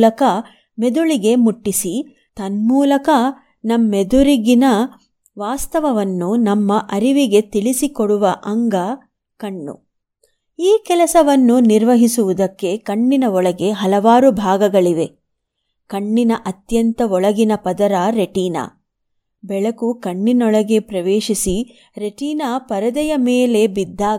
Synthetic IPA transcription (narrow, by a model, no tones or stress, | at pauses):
lɐkɐ | med̪uɭiɡe̞muʈːisi | t̪ɐnmuːlɐkɐ | nɐmːed̪uɾiɡinɐ | ʋaːst̪ɐʋɐʋɐnːunɐmːɐʔɐɾiʋiɡe̞t̪iɭisikoɽuʋɐʔɐŋɡɐ | kɐɳːṵ | iːkɛlɐsɐʋɐnːuniɾʋɐɦisuʋud̪ɐkːe̞kɐɳːinɐɔɭɐɡe̞ɦɐlɐʋaːɾubʱaːɡɐɡɐɭiʋe̞ | kɐɳːinɐʔɐt̪jɐnt̪ɐɔɭɐɡinɐpɐd̪ɐɾaːɾeʈiːna̰ː | bɛɭɐkukɐɳːinɔɭɐɡe̞pɾɐʋeːʃisi | ɾe̞ʈiːnaːpɐɾɐd̪ɐjɐmeːle̞bid̪ːaː